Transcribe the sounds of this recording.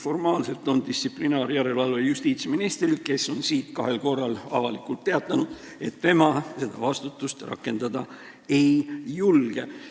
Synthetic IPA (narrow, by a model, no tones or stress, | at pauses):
fo̞rmɑːlse̞lt̪ːˑo̞nd̪ist̪siplinɑːɾjæɾe̞lɑlvejust̪iːt̪sminist̪rilke̞so̞nsiːt̪kɑɦe̞lko̞rːɑlɑ̰vɑlikˑult̪ːe̞ɑt̪ːˑɑnud̪̥ | e̞t̪ːe̞mɑse̞d̪̥ɑvɑst̪ut̪ːˑust̪rɑ̰kːˑe̞nd̪̥ɑd̪̥ɑ | e̞jjulɡ̥e